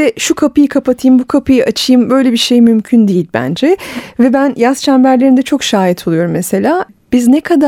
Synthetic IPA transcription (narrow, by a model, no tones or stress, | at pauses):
ɛʃukʰapɯjɯkʰapat̪ʰɯjɯmbukʰapʰɯjɯʔat͡ʃʰɯjɯmbø̞jlʲebiɾʃe̞jmymcʰynd̪ejilʲbæ̰nd͡ʒɛvɛbænjast͡ʃʰanbæɾlʲe̞ɾind̪ɛt͡ʃʰo̞kʃaːjit̪ʰolˠujo̞ɾumːese̞lʲaː | b̥iznɛkʰad̪a